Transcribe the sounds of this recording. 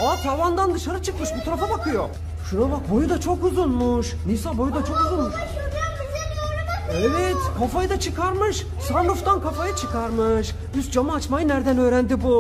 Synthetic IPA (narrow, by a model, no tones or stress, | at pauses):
at̪havand̪and̪ɯʃaɾɯt͡ʃʰɯkmɯʃbut̪ʰaɾafabakɯjo | ʃuɾabak̚bo̞jud̪at͡ʃʰo̞kuzunmuʃ | nisabo̞jud̪at͡ʃʰo̞kuzunmuʃ | ɛvɛt̪kʰafajɯd̪at͡ʃʰɯkaɾmɯʃ | sanɾuft̪ankʰafajɯt͡ʃʰɯkʰaɾmɯʃ | yst̪̚d͡ʒamaːt͡ʃmajɯnæɾd̪ænø̞ːɾænd̪ibu